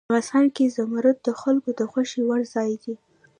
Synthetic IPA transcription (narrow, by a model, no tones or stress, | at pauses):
ɣasɑnkezamaɾʊt̪̚d̪əxalkod̪əxwaʃiwaɽzɑjd̪i